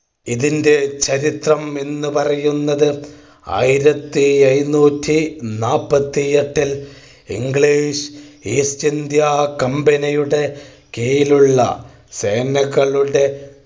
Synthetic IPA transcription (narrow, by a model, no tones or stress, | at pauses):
iðinde̞t͡ɕɐɾit̪rɐme̞nːɨpɐrɐjunːɐðɨ | a̰ːjiɾɐt̪ːiɐjnːuːtʰːinaːpːɐt̪ːijɐʈːil | ḭŋɡɭiːʂiːst͡ɕind̪jakɐmbɐnɐjuɽe̞ | kejiluɭːɐ̰ | se̞ːnɐɣɐɭuɽe̞